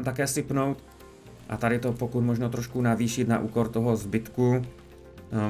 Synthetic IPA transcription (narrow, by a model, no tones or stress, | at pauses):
mt̪akɛːsɪpnowt̪ | ʔat̪aɾɪt̪opokut̪moʒnot̪ɾoʃkunaviːʃɪt̪na̰ʔṵːkoɾt̪oɦozbɪt̪ku